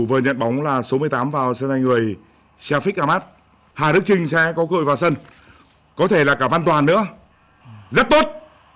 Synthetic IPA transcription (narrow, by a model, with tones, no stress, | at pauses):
vəː˨˩ɲə̰˧˨nɓa˨˦wŋ͡mlaː˨˩so˨˦mɨ˧əjt̪aː˨˦mvaː˨˩wsə˧nha˧jŋŋɨ˨˩əj | saː˧fi˦˥ʔaː˧maː˦˥t̚ | haː˨˩ɗɨ˦˥ək̚t͡ɕï˧ŋ̟sɛ˧kɔ˨˦kə̰ː˧˨jvaː˨˩sə˧n | kɔ˨˦t̪ʰe˧˩laː˨˩kaː˧˩va˧nt̪waː˨˩nːɨ̰˧˥ə | zə˦˥t̚t̪o˦˥t̚